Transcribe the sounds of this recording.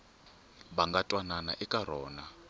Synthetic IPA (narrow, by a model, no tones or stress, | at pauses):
βaŋɡatʼwananaʔikʼaɾɔːna